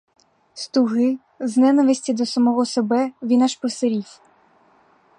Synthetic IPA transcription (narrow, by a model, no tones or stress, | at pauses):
st̪ʊɦɪ | znɛnɐʋɪsʲtʲid̪ɔsɐmɔɦɔsebɛʋʲinaʃpɔseɾʲifʲ